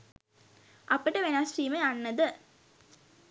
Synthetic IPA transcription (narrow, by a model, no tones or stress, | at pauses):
ʔɐpəʈəʋenasriːmeanːəd̪ə